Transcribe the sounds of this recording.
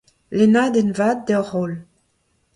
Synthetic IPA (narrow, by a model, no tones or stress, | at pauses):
lenaːd̪ɛnvaːd̪̚ːɛʁol